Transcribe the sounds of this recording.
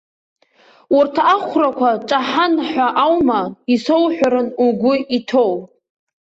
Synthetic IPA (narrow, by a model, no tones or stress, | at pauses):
urtʰaaχʷrakʷʰaʈ͡ʂʼaħanħʷᶣaʔawmaiso̞wħʷᶣaɾɨnuɡʷʊitʰow